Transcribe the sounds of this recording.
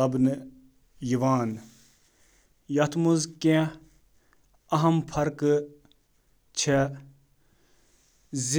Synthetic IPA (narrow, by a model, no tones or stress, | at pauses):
ɐbnɨ | jiʋaːn | jɐt̪ʰmuzkẽ | ɐɦɐmpʰɐɾk | t͡ʃʰe | z